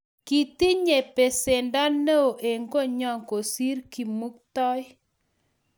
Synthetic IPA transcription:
ki˨ti˦ɲe˨pe˨se˨nda˦ne˦o˨ʔe˨ŋɡo˦˨ɲɔ˦˨ŋko˨si˦ɾki˨mu˦k̚tɔ˦j

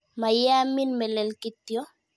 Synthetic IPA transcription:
ma˨jɛ˦a˦mi˦nmɛ˨lɛ˨lki˦t̪jɔ˦

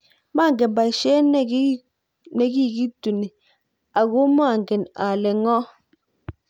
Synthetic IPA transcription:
ma˦˨ŋɡe˨nba˨ʃɛ˦n˦ | ne˨ɡi˦˨ɡi˦tu˨ni˨ | a˨ɣo˦m˦a˦˨ŋɡe˨na˨le˨ŋɔ˦

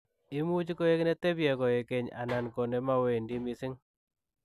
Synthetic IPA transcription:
ɪ˦mu˦d͡ʒko˦je˦knɛ˦t̪e˦bjɛ˨kɔ˨je˨ke˨ɲa̰˨na˨nko˨ne˨˦ma˦we˨ndi˦mɪ˦sɪ˦ŋ

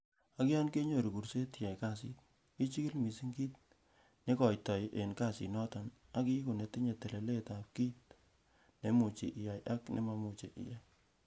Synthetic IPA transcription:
a˦ka˦nke˦ɲo˨ɾi˨ku˨ɾse˦tja˨jka˦˨sḭ˦t̚ | i˦t͡ʃi˦ki˦lmi˨si˦ŋɡi˦t̚ | ne˦kɔ˨jtɔ˨jʔe˨nka˦˨sḭ˨nɔ˦tɔ˨n | a˦ki˦ko˨ne˨ti˦ɲe˨te˨le˨le˦ta˨p̚ki˦t̚ | ne˦mu˨t͡ʃḭ˨ʔja˨jʔa˦knʔḛ˦ma˦mu˨t͡ʃḛ˨ʔḭ˨ja˦j

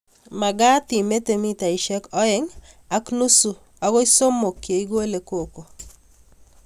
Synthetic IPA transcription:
ma˨ɡa˦t̪ɪ˨me˦t̪e˨mi˦t̪a˨i˨ʃɛ˦kɔ˦ɪ˦ŋ | a˨˦knu˦su˨ | a˦ɡɔ˦i˦so˦mːo˨kje˨i˦ɡwe˦le˨ko˨ko˨

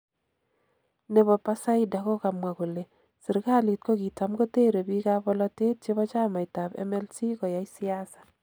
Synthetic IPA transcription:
ne˨bɔ˨pa˦sa˦ida˨kɔ˦ka˨mwa˨ko˨le˨ | sɪ˨rka˦li˨t̚ko˦ki˨ta˦mɡo˦te˦ɾe˨bi˦kabɔ˦lɔte˦t̚t͡ʃe˦bɔ˦t͡ʃa˦ma˨jta˨bɛ̰˦mɛ˦lsi˦kɔ˨jajsi˦asḁ˨

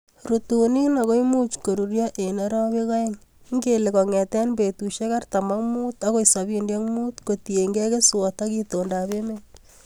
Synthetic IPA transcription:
ɾutuni˦na˨ko˦jmu˦t͡ʃko˨ɾu˨ɾjɔʔe˨neɾɔ˦be˦ka˦e˦ŋŋɡeleko˨ŋɛ˨tɛnbe˨tuʃe˦ka˦rt̪a˨ma˦muː˦t̪ako˦isa˨bindjɛ˦ŋmuː˦t̪kotie˨ŋɡɛ˦ke˦swo˨takitonda˨be˦men

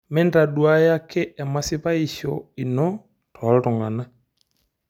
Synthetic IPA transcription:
mɛ˦nda˨dwa˦ja˦kɛ˦ʔɛ˨ma˨si˦βa˦i˨ʃɔ˨i˨nɔ˦ | tʰɔ˨˦ɾɔ˨ŋɡa˨na˨

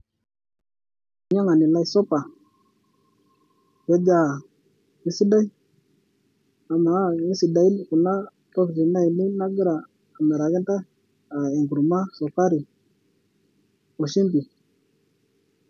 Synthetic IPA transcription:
ɲa˦ŋa˨ni˨la˦i˦so˦pa˨ | ja˦d͡ʒa˦˨ | i˨si˦da˦i˦ | a˨ma˨˦˨ŋi˦si˨da˨˦i˦n˦ku˨na˦ | to˦kti˨na˦i˨ni˦na˦ɡɾaː˨ | me˨ɾa˨ke˦nta˦ | a˨e˨ŋɡu˨ɾu˨ma˦so˨ka˦ɾi˨ | o˨ʃi˦mbi˨

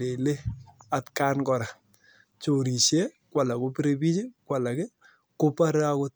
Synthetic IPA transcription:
e˨le˦a˨tkaː˦nkɔ˨ɾa˨ | t͡ʃo˨ɾi˨ʃe˦ | kwa˨la˨ko˦pi˦ɾe˦bi˦t͡ʃi˦kwa˨la˨ke˦ | ko˦pa˦ɾe˦a˦ko˦t̚

